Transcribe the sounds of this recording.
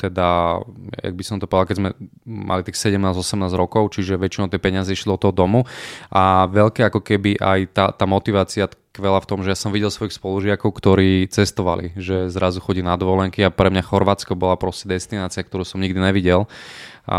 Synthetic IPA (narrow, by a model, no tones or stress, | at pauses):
t̪ɛd̪a | ja̰ɡ̚bisɔmt̪ɔpɔɛd̪alkɛzmɛmʔa̰lit̪iːxsɛɟɛmnaːzɔsɛmnaːzɾɔkɔʊt͡ʃiʒɛʋɛt͡ʃinɔʊt̪jɛpɛɲɪazɛʃliɔt̪ːɔɦɔd̪ɔmuʔaʋɛʎkɛakɔkɛbiʔajt̪at̪aːmɔt̪iʋaːt͡siakʋɛlaft̪ɔmʒɛjasɔmʋiɟɛlˠsʋɔixspɔluʒɪakɔʊkt̪ɔɾiːt͡sɛst̪ɔʋa̰lḭʒɛzɾazuxɔɟiːnad̪ʋɔlɛŋkiapɾɛmɲaxɔɾʋaːt͡skɔbɔlapɾɔscɛd̪ɛst̪inaːt͡siak̚t̪ɔɾuːsɔmɲiɡd̪inɛʋiɟɛl̰